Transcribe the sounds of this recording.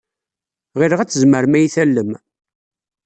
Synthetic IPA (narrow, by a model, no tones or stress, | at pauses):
ʁiɾəʁæt͡sːəzməɾmæjiθælːəm